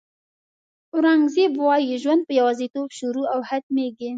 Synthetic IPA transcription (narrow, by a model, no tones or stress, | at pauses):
ʊɾɑŋɡzebwɑjeʒwand̪̚pəjawɑzit̪obʃuɾuawhat̪meɡi